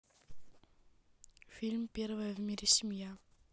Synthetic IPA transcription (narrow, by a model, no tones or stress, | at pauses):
filmbiɾvævmiɾisimja